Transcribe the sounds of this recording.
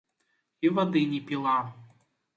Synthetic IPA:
ivɐd̪ɨnʲipʲilˠɑ

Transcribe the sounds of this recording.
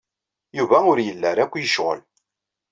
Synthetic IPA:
juvæʊɾjəlːəɾˤækʷːjəʃʁə̰l

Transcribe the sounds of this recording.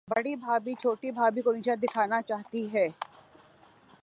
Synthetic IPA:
bɐɽibʱaːbit͡ʃʰoːʈibʱaːbikonit͡ʃad̪ɪkʰaːnat͡ʃaːɦt̪iɦɛː

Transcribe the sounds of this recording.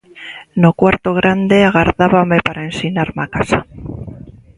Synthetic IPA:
nokwaɾt̪oɣ̞ɾand̪e̞aɣ̞aɾðaβame̞paɾaensinaɾmakasa

